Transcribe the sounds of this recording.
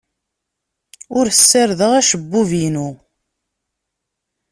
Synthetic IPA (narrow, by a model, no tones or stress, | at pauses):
ʊɾəsːəɾðəʁæʃəbːuvinu